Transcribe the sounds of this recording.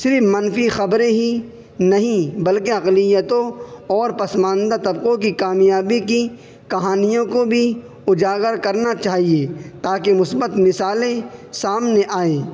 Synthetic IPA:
sɪɾfmɐnfixɐbɾẽɦi | nɐɦĩbɐlkeɐqlɪjət̪õɔːɾpɐsmãːnd̪at̪ɐbqõkikaːmjaːbiki | kɐɦaːnijõkobʱi | ʊd͡ʒaːɡəɾkɐɾnat͡ʃaːɦiet̪aːkemʊsbət̪mɪsaːlẽsaːmneʔaːeː

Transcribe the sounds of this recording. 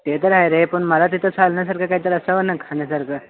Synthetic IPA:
t̪et̪̬əɾɦajɾepəɳməlat̪̬it̪ʰət͡sʰalnjas̬aɾkʰakait̪əɾəsaʋənakʰaɳjasaɾkʰa

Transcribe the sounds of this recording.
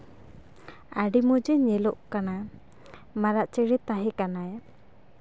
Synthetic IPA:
aɖimud͡ʒɛɲɛlɔʔkana | maɾaʔt͡ʃɛɽɛt̪aɦɛkanaj

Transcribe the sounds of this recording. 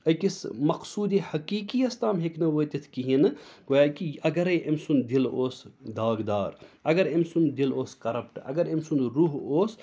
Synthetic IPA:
ɐjkismɐqsuːd̪ehɐkiːkiɐst̪aːmɦeknɐʋoːt̪it̪ʰkiɦinkojaːkiɐɡɐɾɐjʔemsund̪iloːsd̪aːɡd̪aːɾɐɡɐɾemsund̪iloːskɐɾɐp̚ʈɐ̰ɡɐɾemsunɾuːɦoːs

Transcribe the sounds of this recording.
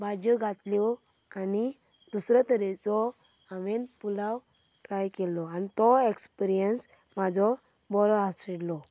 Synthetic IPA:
bʱad͡ʑɔɡʱat̪ljɔ | ani | d̪usɾət̪əɾɛt͡sɔ | aʋenpulaw | ʈɾajkɛlɔanit̪ɔekspiɾijəns | mad͡zʱɔ | bɔɾɔasiɽlɔ

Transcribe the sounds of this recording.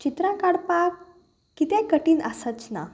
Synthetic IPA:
t͡ɕit̪ɾãkaɽpakː | it̪ẽkəʈiːnasət͡sna̰

